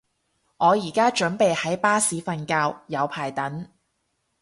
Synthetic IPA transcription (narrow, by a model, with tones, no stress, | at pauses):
ŋɔː˨˧jiː˨˩kaː˥t͡ʃɵ˨˥npe˨jhɐ˨˥jpaː˥siː˨˧fɐ˧nkaː˧wjɐ˨˧wpʰaː˨˩jt̪ɐ˨˥n